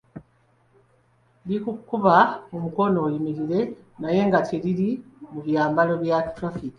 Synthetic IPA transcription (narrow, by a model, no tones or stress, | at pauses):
dikukːuβaomuko̞no̞ːjimiɾiɾe̞ | naje̞ŋɡatʰiɾiɾimuβjaːmbalo̞βjatɾafiki̥